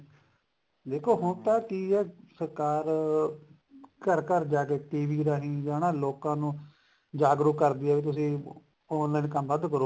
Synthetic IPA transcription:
d̪eːkʰoːɦʊnt̪ãːkiːɛːsəɾkaːɾ | kəɾkəɾd͡ʒaːkeːʈiːʋiːɾaːɦĩːd͡ʒaːnãːloːkãːnũː | d͡ʒaːɡɾʊkːəɾd̪iːɛːʋiːt̪̬ʊsĩː | onlãːnekəmbəd̪kəɾoː

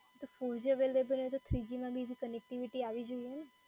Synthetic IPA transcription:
t̪ofoɾd͡ʒəʋelʋebənt̪ot̪ʰɾid͡ʒimãbʱid͡ʒ̪ʱikənek̚ʈiʋiʈiaʋid͡ʒoijɛne

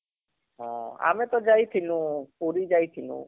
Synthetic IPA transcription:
ɦɔ̰̃a̰mɛt̪ɔd͡ʒajt̪ʰilũpoɾid͡ʒajt̪ʰilṵ̃

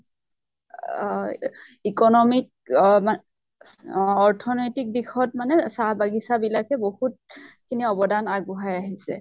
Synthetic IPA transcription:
ikɔnɔmik̚ | ma | ɔɹtʰɔnɔjtik̚dixɔt̚manɛsabaɡisabilakɛbohut̚kʰiniɔbɔdanaɡbuɦajaɦisɛ̰

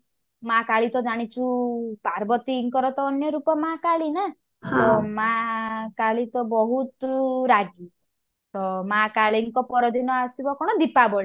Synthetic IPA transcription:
makaɭit̪ɔd͡ʒaɽ̃it͡ʃʰupaɾbɔt̪iːŋkɔɾɔt̪ɔːnjɔɾupɔmakaɭina | t̪ɔmakaɭit̪ɔbɔɦut̪ɾaɡi | t̪ɔmakaɭiŋkɔpɔɾɔd̪inɔasibɔkɔɽ̃ɔd̪ipabɔɭi

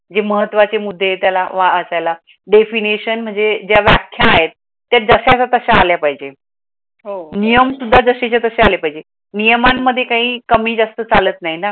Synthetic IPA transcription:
d͡zeməɦət̪ːʋat͡semud̪ʱːet̪jalaʋaəsajla | ɖefiniɕənm̤əɳd͡zed͡ʑjaʋjakʰjaːɦet̪̚ː | jad͡zəɕat͡sat̪əɕaːljapaɦid͡ʑe | ɦonijəmsud̪ʱːad͡zəɕet͡ɕat̪əɕealepaɦid͡ʑe | nijəmamːəd̪ʱːjekaɦĩːkəmiːd͡zast̪ət͡salət̪naɦina

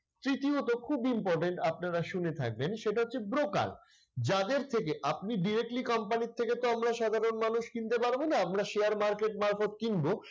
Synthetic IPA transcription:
t̪ɾit̪iot̪okʰubimpɔɾʈeɳʈapnaɾaʃunet̪ʰa̰k̚benʃeʈaɦotːɕʰebɾoka̰l | d͡ʑad̪eɾt̪ʰekeʔapniɖiɾek̚ʈlikɔmpanit̪ʰːeket̪oamɾaʃad̪ʱaɾonmanuʃkint̪epaɾbonaamɾaʃeaɾmaɾkeʈ̚maɾfot̪̚kinbo

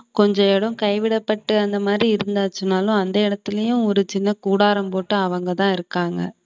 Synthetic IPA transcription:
kɔɲd͡ʒɐ̃ɛɽɯ̃mkɐɪʋɪɽɐpːɐʈːɯɐnd̪ɐmaːd̪ɾiɪɾɯnd̪aːt͡ʃːɯnːaːlʊ̃ɐnd̪ɐɪɽɐt̪ːɪlɐjʊ̃ɔɾɯt͡ʃɪnːɐkuːɽaːɾɐmpoːʈːɯɐʋɐŋɡɐt̪ãːɪɾɯkːaːŋɡɐ̰

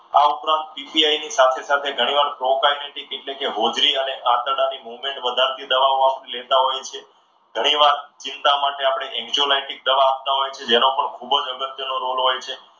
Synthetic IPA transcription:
a̰upɾãnt̪̚pipiajnisat̪ʰesat̪ʰeɡʱəɽ̃iʋaɾpɾokajneʈikeʈlekeɦod͡ʒɾiəneʔat̪əɽanimuʋmẽɳʈʋəd̪ʱaɾt̪ʰid̪əʋaoapɳelet̪aɦojt͡ʃʰe | ɡʱəɽ̃iʋaɾt͡ʃɪnt̪amaʈeapɽ̃eʔɛkt͡ʃuolajʈik̚d̪əʋaːp̚t̪aɦojt͡ʃʰed͡ʒenopəɳkʰubəd͡ʒəɡət̪jənoɾolɦojt͡ʃʰe

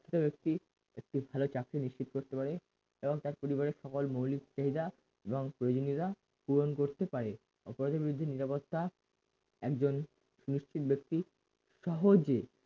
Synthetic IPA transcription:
et̪obek̚t̪i | ek̚ʈibʱalot͡ɕakɾiniʃt͡ɕit̪̚koɾt̪epaɾe | eboŋt̪aɾpoɾiβaɾeʃɔkolmowlikt͡ɕaɦid̪a | eboŋpɾojod͡ʑoniɾa | puɾonkoɾt̪epaɾe | ɔ̰poɾɔt̪eɾbiɾud̪ʱːeniɾapot̪ːa | ɛkd͡ʑon | ʃuniʃt͡ɕʰit̪bekt̪i | ʃɔɦod͡ʑe

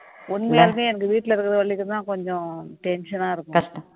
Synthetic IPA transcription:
ʊnmejaːlmeːɛnɐk̬ːɯʋiːʈːɪlɐɪɾɯkːɐðɯʋɐɭːɪkːɯnd̪ãːkɔɲd͡ʒɔ̃ʈɛnʃɐnaːɪɾɯkːʊɐʈɐ

